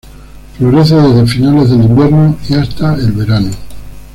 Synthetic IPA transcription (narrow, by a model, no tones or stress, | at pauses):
fɾoɣɾeθoðezðefinale̞zðelimbje̞ɾnoiast̪aelβe̞ɾano